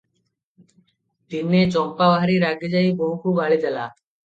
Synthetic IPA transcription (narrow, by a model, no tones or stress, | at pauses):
t̪inːeːt͡ʃɔ̃ːmpaːbaɦɾiːɾaːɡəd͡ʒaiːboɦukʰuːɡaːɭid͡ʒəla̰ː